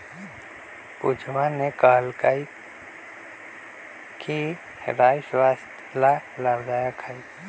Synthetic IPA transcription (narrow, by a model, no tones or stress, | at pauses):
pʊd͡ʒʋanekaːlkai | ki | ɾaːjswaːst̪ʰ | lalabd̪aːjakʰai